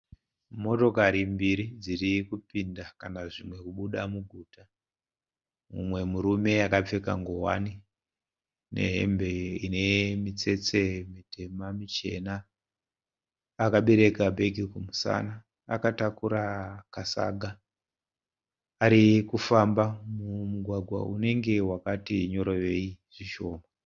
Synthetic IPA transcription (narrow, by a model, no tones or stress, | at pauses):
mo̞to̞kaɾimbiɾid͡zirikupindakanaʐimwe̞kuɓuɗamuɡʱuːta | mṵmwe̞muɾume̞akap͡fe̞kaŋɡowa̰ni | ne̞̰ɦe̞̰mbe̞ine̞mit͡se̞t͡se̞mite̞mamit͡ʃe̞̰na | kaɓe̞ɾe̞kabʱe̞ɡʱikumusa̰naː | katakuɾakasa̰ɡʱa | ɾikufambamumuɡʱwaɡʱwa̰une̞ŋɡe̞wakatiɲo̞ɾojeiʐ̥iʃo̞ːma